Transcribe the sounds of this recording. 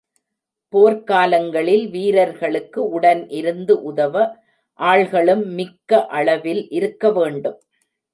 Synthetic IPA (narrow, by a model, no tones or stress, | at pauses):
poːɾkaːlɐŋɡɐɭɪlʋiːɾɐɾɣɐɭɯkːɯʊɽɐnʔɪɾɯnd̪ɯʔʊðɐʋɐ | ʔaːɭɣɐɭɯmːɪkːɐʔɐɭɐʋɪlʔɪɾɯkːɐʋeːɳɖɯm